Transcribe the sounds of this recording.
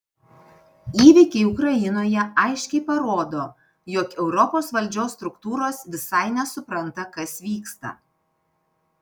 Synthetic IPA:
iːʋʲɪkʲɛɪʊkɾɐjɪnoːjɛɐɪʃʲkʲɛɪpɐɾoːd̪oː | joːkɛʊɾɔpoːsʋɐlʲˑd͡ʒʲoːsːt̪ɾʊkt̪uːɾoːsʋʲɪsɐɪnʲɛsʊpɾɐnt̪ɐkɐsʋʲiːkst̪ɐ̰

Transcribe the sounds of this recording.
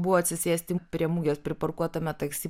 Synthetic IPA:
bʊʋɔːɐt̪sʲɪsʲeːsʲt̪ʲɪpʲɾʲiɛmuːɡʲespʲɾʲɪpɐɾkuɔt̪ɐmʲɛt̪ɐksʲiː

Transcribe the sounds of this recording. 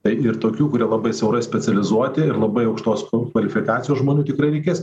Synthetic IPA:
t̪ɐɪɪɾt̪oːkʲuːkʊɾʲiɛlˠɐbɐɪsʲɛʊɾɐɪsʲpʲɛt͡s̪ʲɛlʲɪzuɔt̪ʲɪɪɾlˠɐbɐɪɐʊkʃt̪oːskʋɐlʲɪfʲɪkɑːt͡sʲɪjoːsʒmoːnʲuːt̪ʲɪkɾɐɪɾʲɛɪkʲeːs

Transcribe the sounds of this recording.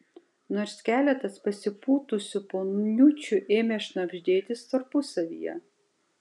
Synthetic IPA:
noːɾsʲkʲæːlʲɛt̪ɐspɐsʲɪpuːt̪ʊsʲʊpoːnnʲut͡ʃʲʊʔeːmʲeːʃnɐɡʒʲd̪ʲeːt̪ʲɪst̪ɐɾpʊsɐʋʲḭːjɛ̰

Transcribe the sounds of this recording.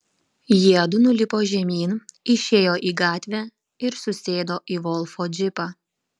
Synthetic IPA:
jiɛd̪ʊnʊlʲɪpoːʒʲɛmʲiːnɪʃʲeːjoːʔiːɡɑːt̪ʲʋʲæː | ɪɾsʊsʲeːd̪oːʔiːʋɔlˠfoːd͡ʒʲɪpɑː

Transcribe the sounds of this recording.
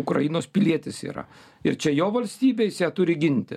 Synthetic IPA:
ʊkɾɐ̰jɪnoːspʲɪlʲiɛt̪ʲɪsḭːɾɐ̰ | ɪɾt͡ʃʲɛjoːʋɐlʲsʲt̪ʲiːbʲeːsjæːt̪ʊɾʲɪɡʲɪnʲt̪ʲɪ

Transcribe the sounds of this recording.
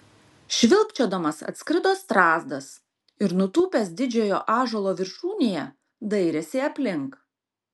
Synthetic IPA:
ʃʲʋʲɪlʲˠpʲt͡ʃʲoːd̪ɐmɐsɐ̰t̪sʲkɾʲɪd̪oːst̪ɾɑːzd̪ɐs | ɪɾnʊt̪uːpʲeːsd̪ʲɪd͡ʒʲoːjoːʔɑːʒolˠoːʋʲɪɾʃuːnʲejɛ | d̪ɐɪɾʲɛsʲeɐpʲlʲɪŋk

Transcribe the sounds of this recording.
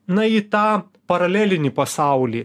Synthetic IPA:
nɐit̪ɑː | pɐɾɐlʲæːlʲɪnʲiːpɐsɑˑʊlʲiː

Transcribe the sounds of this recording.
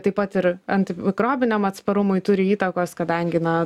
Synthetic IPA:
t̪ɐɪpɐt̪ɪɾɐnʲt̪ʲɪɪkɾoːbʲɪnʲomɐt̪spɐɾʊmʊɪt̪ʊɾʲɪiːt̪ɐkoːskɐd̪ɐŋʲɡʲɪnɐ

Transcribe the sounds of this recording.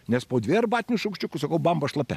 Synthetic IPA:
nʲɛspoːd̪ʲʋʲeːɾbɑːt̪ʲɪnʲuʃɐʊkʃʲt͡ʃʲʊkʊsɐkɐʊbɐmbɐʃlˠɐpʲɛ

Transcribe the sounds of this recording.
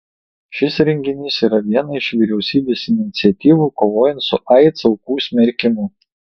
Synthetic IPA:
ʃʲɪsɾʲɛŋʲɡʲɪnʲɪsiːɾɐʋʲiɛnɐɪʃʋʲiɾʲɛʊsʲiːbʲeːsɪnʲɪt̪sʲɛt̪ʲiːʋuːˑkoːʋoːjɛnt̪sʊʔɐɪt̪sɐʊkuːsʲmʲɛɾʲkʲɪmʊ

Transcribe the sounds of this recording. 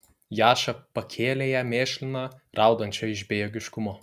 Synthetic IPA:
jɑːʃɐpɐkʲʰeːlʲeːjɛmʲeːʃʲlʲɪnɑɾɑˑʊd̪ɐnʲt͡ʃʲoɪʒbʲeːjoːɡʲɪʃkʊmoː

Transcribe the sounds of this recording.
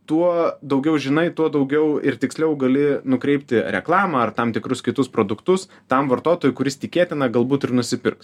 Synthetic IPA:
t̪uɔd̪ɐʊɡʲɛʊʒʲɪnɐɪt̪uɔd̪ɐʊɡʲɛʊɪ̰rt̪ʲɪksʲlʲɛʊɡɐlʲɪnʊkɾʲɛɪpʲt̪ʲɪɾʲʔɛ̰klˠɑːmɐɐrt̪ɐmt̪ʲɪkɾʊskʲɪt̪ʊspɾoːd̪ʊkt̪ʊs | t̪ɐmʋɐrt̪oːt̪oːjʊkʊɾʲɪst̪ʲɪkʲeːt̪ʲɪnɐɡɐlˠbuːt̪ɪrnʊsʲɪpʲɪrks

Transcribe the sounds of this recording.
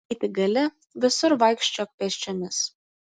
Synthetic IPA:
t̪ʲɪɡɐlʲɪ | ʋʲɪsʊɾʋɐɪkʃʲt͡ʃʲok̚pʲɛsʲt͡ʃʲɛmʲɪs

